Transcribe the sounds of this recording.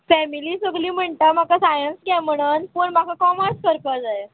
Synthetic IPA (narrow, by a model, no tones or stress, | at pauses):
fɛmiliːsəɡliːm̤əɳt̪əmakasajənsɡjam̤əɽ̃unpuːɳmakʰakɔmaskəɾpəd͡zae